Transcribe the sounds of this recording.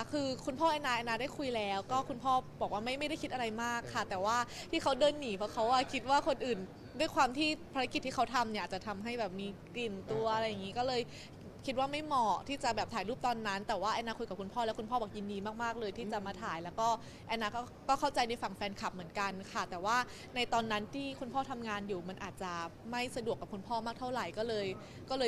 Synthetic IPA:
kʰɯː˧kʰu˧npʰɔː˥˩ʔɛː˧naː˧ʔa˧naː˧daː˥˩jkʰu˧jlɛː˦˥wkɔː˥˩kʰu˧npʰɔː˥˩bɔː˨˩k̚waː˥ma˥˩jma˥˩jɾa˥˩jkʰi˦˥ʔa˧a˧jmaː˥˩kʰːa˥˩t̪ɛː˨˩waː˥˩t̪ʰiː˥˩kʰa˦˥wdɤː˧nːiː˨˩˦pʰɔ˦˥kʰa˦˥wʔa˧˩kʰi˦t̪̚waː˥˩kʰo˧nʔɯː˨˩n | du˥˩əjkʰwaː˧mt̪ʰiː˥˩pʰa˧ɾa˦˥ki˨˩t̪ʰːiː˥kʰa˦˥wt̪ʰa˧mni˧˩aː˨˩t͡ɕa˨˩t̪ʰa˧mɦa˥˩jbɛː˨˩p̚miː˧kli˨˩nt̪u˧ɐʔa˧ɾa˧jːa˨˩ŋi˦˥kɔː˥˩lɤː˧j | kʰi˦t̪̚waː˥˩ma˥˩jmɔː˨˩t̪ʰiː˥˩t͡ɕa˨˩bɛː˨˩p̚t̪ʰaː˨˦jluː˥˩p̚t̪ɔː˧nːa˦˥nt̪ɛː˨˩waː˥˩ʔa˧naː˧kʰo˧t̪̚ka˨˩p̚kʰu˧npʰɔː˥˩lɛ˦˥kʰu˧npʰɔː˥˩bɔː˨˩k̚ji˧ndiː˧maː˥˩k̚maː˥˩k̚lɤː˧jt̪ʰiː˥˩t͡ɕa˨˩maː˧t̪ʰaː˨˩˦jlɛː˦˥wkɔː˥˩ | ʔa˧na˦˥kɔː˥˩kɔː˥˩kʰa˥˩wt͡ɕa˧jna˧jfa˨˩ŋfɛː˧nkʰa˨˩p̚mɯ˩˦ənka˧nkʰa˥˩t̪ɛː˨˩waː˥˩ | na˧jt̪ɔː˧nːa˦˥nt̪ʰiː˥˩kʰu˧npʰɔː˥˩t̪ʰa˧mŋaː˧njuː˨˩ma˧nʔaː˨˩t̪̚t͡ɕa˨˩ma˥˩jsa˧du˨˩əkːa˨˩p̚ku˧npʰɔː˥˩maː˥˩k̚t̪ʰa˥˩wɾa˨˩jkɔː˥˩lɤː˧j | kɔː˥˩lɤː˧

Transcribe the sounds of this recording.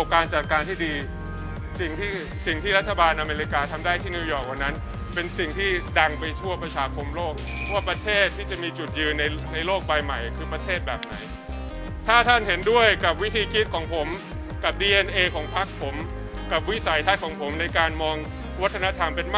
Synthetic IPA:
p̚kaː˧nt͡ɕa˨˩t̪̚kaː˧nt̪ʰiː˥˩diː˧ | si˨˩ŋt̪ʰiː˥˩ | si˨˩ŋt̪ʰiː˥˩ɾa˦˥t̪ʰːa˧baː˧nʔa˧meː˧ɾi˦˥kaː˧t̪ʰa˧mdaː˥˩jt̪ʰiː˥˩ni˧˦˥wjɔː˨˩k̚wa˨˩nːa˦˥n | pe˧nsi˨˩ŋt̪ʰiː˥˩da˧ŋpa˧jt̪ʰu˥˩əpɾa˧t͡ɕʰaː˧kʰo˧mloː˥˩k̚pwaː˥˩pɾa˧t̪ʰeː˥˩t̪ʰːiː˥˩t͡ɕa˨˩miː˧t͡ɕu˨˩t̪̚jɯː˧nːa˧jna˧jloː˥˩k̚baː˧jma˨˩jkʰɯː˧pɾa˧t̪ʰeː˥˩t̪̚bɛː˨˩p̚na˩˦j | t̪ʰaː˥˩t̪ʰa˥˩nhe˩˦ndu˥˩əjka˨˩p̚wi˦˥t̪ʰiː˧kʰi˦˥t̪̚kʰɔː˩˦ŋpʰo˩˦m | ka˨˩p̚diː˧ʔe˧nʔeː˧kʰɔː˩˦ŋpʰa˦˥k̚pʰo˩˦m | ka˨˩p̚wi˦˥sa˩˦jt̪ʰa˦˥kʰɔː˩˦ŋpʰo˩˦mna˧jkaː˧nmɔː˧ŋ | wa˦˥t̪ʰːa˧na˦˥t̪ʰa˧mpe˧nm˥

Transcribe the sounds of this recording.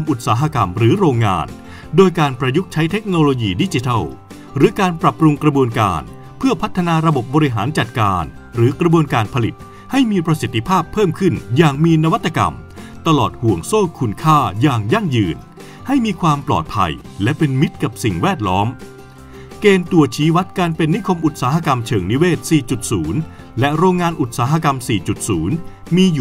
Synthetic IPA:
a˧mʔu˨˩t̪̚saː˩˦ɦa˧ka˧mɾɯː˩˦ɾoː˧ŋːa̰ː˧n | doː˧jkaː˧npɾa˧ju˦˥k̚t͡ɕʰa˦˥jt̪ʰe˦˥k̚noː˧loː˧jiː˧˩di˦˥t͡ɕi˧t̪ʰa˥˩w | ɾɯː˩˦kaː˧npɾa˨˩p̚ɾu˧ŋkɾa˧bu˧ənka̰ː˧n | pʰɯ˥˩ɐpʰa˦˥t̪ʰːa˧naː˧ɾa˧bo˨˩p̚bɔː˧ɾi˦ɦaː˩˦nt͡ɕa˨˩t̪̚kaː˧n | ɾɯː˩˦kɾa˧bu˧ənkaː˧npʰa˧li˨˩t̪̚ | ha˥˩jmiː˧pɾa˧si˨˩t̪ʰːi˧pʰaː˥˩pʰːɤː˥˩mkʰɯ˥˩njaː˨˩ŋmiː˧na˧wa˦t̪ʰːa˧ka̰˧m | t̪a˧lɔ̰ː˨˩t̪̚hu˨˩əŋsoː˥˩kʰu˧nkʰaː˥˩jaː˨˩ŋja˥˩ŋjɯː˧n | ha˥˩jmiː˧kʰwaː˧mplɔ̰ː˨˩t̪̚pʰa̰˧j | lɛ˦˥pe˧nmi˦˥t̪̚ka˨˩p̚si˨˩ŋwɛː˥˩t̪̚lɔː˦˥m | keː˧nt̪u˧˩ɐt͡ɕʰiː˦˥wa˦˥t̪̚kaː˧npe˧nːi˦˥kʰo˧mʔu˨˩t̪̚saː˩˦ɦa˧ka˧mt͡ɕʰɤː˩ŋni˦˥weː˥˩t̪̚siː˨˩t͡ɕu˨˩t̪̚suː˩˦n | lɛ˦˥ʔɾoː˧ŋːaː˧nʔu˨˩t̪̚saː˩˦ɦa˧ka˧msiː˨˩t͡ɕu˨˩t̪̚suː˩˦n | miː˧ju˨

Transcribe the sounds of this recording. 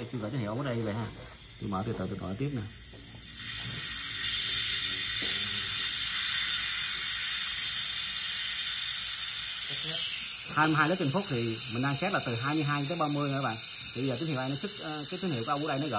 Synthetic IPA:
t͡ɕɨ˧əɣəː˧˩t͡ɕ̪ə˧˦ŋḭ˧˨wm̚ː˨˦˥ə˧ɲə˧v̰ə̰˧˨ɦaː˧˩ | t̪ʰi˨˩məː˧˦t̪ʰi˨˩t̪ɨ̰˧˨˩t̪n˨ɔ̰˧˨˧t̪i˦˥p̚nə˧˦˧ | haː˧jm˧jɦaː˧lːk̚t̪i˧ŋ̟fʊ˦˥k͡p̚t̪ʰi˨˩ | mï˨˩ŋɗaː˧ŋsɛ˦˥t̚laː˨˩t̪ɨ˨˩ɦaː˧jmɨ˧əjɦaː˧jɲɨ˧t̪əː˨˦ɓa˧mɨ˧əjə̰ː˧˦ɓa̰ː˧˨n | t̪ʰi˨˩˧zəː˨˩i˧˦nhi˧˨wʔjnɔ˨˧˦t̪ʰɨ˦˥k̚ːkaː˨˦jt̪wi˨˦ŋḭ˧˨kːɗjnɔ˨˦ɣə̰ː˧˨

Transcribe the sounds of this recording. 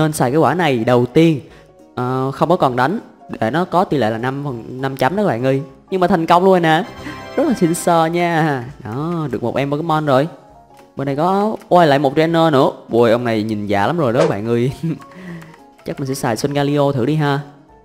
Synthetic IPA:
nəː˧nsaː˧˩jkaː˨˦jkwaː˧˩na˨˩jɗə˨˩wt̪i˧ən | ʔəː˨˩xə˧wŋ͡mkɔ˨˦kɔ˨˩nɗa˨˦jŋ | ɗe˧˩nɔ˨˦kɔ˨˦t̪i˧lḛ˧˨laː˨˩na˧mfə˨˩nna˧mt͡ɕa˨˦mɗəː˨˦˧ɓa̰ː˧˨ŋɨ˧˩j | ɲɨ˧maː˨˩t̪ʰŋ̟kə˧wŋ͡mlu˧n˨˩naː˨˩zə˦˥t̚la˨˩si˧nsəː˧ɲaː˧nɔː˨˦ɗɨ˨˩ək̚o˨˩t̚ʔɛ˧mvɔː˧˩kːaː˨˦mɔ˧nzo˨˩j | ɓe˧˩nɗə˧jkɔ˨˦ʔwaː˧jla̰ː˧˨jmo˨˩t͡ɕɔ˧ʔɛ˧nəː˧nɨ̰˧˥əɓu˧˩əjʔə˧wŋ͡mna˨˩jɲi˨˩nza̰ː˧˨la˨˦mzo˨˩jɗɔ˨˦ɓa̰ː˧˨ŋɨ˨˧˩əj | t͡ɕa˦˥k̚mi˨˩ŋsɛ̰˧˥saː˧˩jswə˧nɣaː˧li˧ʔo˧t̪ʰɨ˨˧˨ɗi˧ɦaː˧

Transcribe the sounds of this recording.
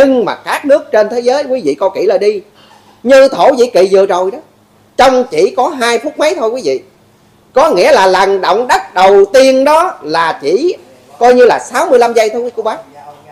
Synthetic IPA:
ɲɨ˧ŋmaː˨˩kaː˦˥k̚nɨ˦˥ək̚t͡ɕe˧nt̪ʰe˨˦zəː˨˦jkwi˨˦vḭ˧˨kɔ˨˧˦kḭ˧˩laː˨˩ɗi˧ | ɲɨ˧t̪ʰo˧˩˦zḭ˧˨kḭ˧˨zɨ˨˩ət͡ɕo˨˩jɗɔ˨˦ | t͡ɕɔ˧wŋ͡mt͡ɕḭ˧˩kɔ˨˦ɦaː˧jfu˦˥k̚ma˨˦jt̪ʰo˧jkwi˨˦vḭ˧˨ | kɔ˨˦ŋḭ˧˥əlaː˨˩la˨˩ŋɗo̰˧˨wŋ͡mɗa˦˥t̚ɗə˨˩wt̪i˧ənɗɔ˨˦laː˨˩t͡ɕi˧˩ | kɔ˧jɲɨ˧laː˨˩saː˨˦wmɨ˧əla˧mza˧jt̪ʰo˧kwi˨˦ku˧ɓaː˨˦˥

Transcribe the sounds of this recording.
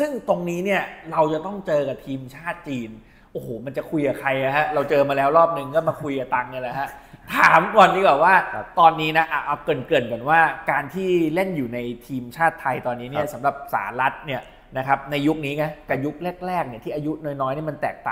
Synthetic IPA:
sɯ˥˩ŋt̪o˧ŋniː˦˥ni˥˩ɐɾa˧wt͡ɕa˨˩t̪ɔ˥˩ŋt͡ɕɤː˧ka˨˩t̪ʰiː˧mt͡ɕʰaː˥˩t̪̚t͡ɕiː˧n | ʔoː˨˩hoː˨˩˦ma˧nt͡ɕa˨˩kʰu˧jka˨˩kʰɾa˧ja˧˩ɦa˦˥ɾa˧wt͡ɕɤː˧maː˧lɛː˦˥wɾɔː˥˩p̚nɯ˨˩ŋkɔː˥˩maː˧kʰu˧jka˨˩t̪a˧ŋna˧la˨˩ɦa˦˥t̪ʰaː˨˩˦mwa˧nːiː˦˥bɛː˨˩w̚waː˥˩t̪ɔː˧nːiː˦˥na˦˥ʔa˨˩ʔa˧wkɯː˨˩ənkɯ˨˩nka˨˩nwaː˥˩kaː˧nt̪ʰiː˥˩le˥˩njuː˨˩na˧jt̪ʰiː˧mt͡ɕʰaː˥˩t̪ʰːa˧jt̪ɔː˧nːiː˦˥ni˥˩ɐsa˩˦mɾa˨˩p̚sa̰ː˩˦nɾa˦˥t̪̚ni˥˩ɐ | na˦˥kʰa˦˥p̚na˧jːu˦˥k̚niː˦˥ŋa˦˥ka˨˩ju˦˥k̚le˥˩t̪̚lɛː˥˩k̚ni˩t̪ʰiː˥˩ʔaː˧ju˦˥noː˧˩jnɔː˦˥jni˥˩ma˧nt̪ɛ̰ː˨˩k̚t̪a̰ː˨˩

